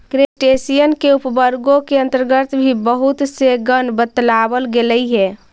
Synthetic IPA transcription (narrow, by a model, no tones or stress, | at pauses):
kɾesʈesijənkeupbəɾɡokeə̃nt̪əɾɡət̪bʱibəɦut̪seɡənbət̪labəlɡeləiɦɛ